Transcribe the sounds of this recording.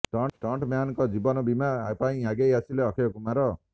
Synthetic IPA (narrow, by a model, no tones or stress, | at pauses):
ʈɔʈɔɳʈmjanɔkɔd͡ʒibɔnɔbimapaĩaɡejasileɔkʰejɔkumaɾɔ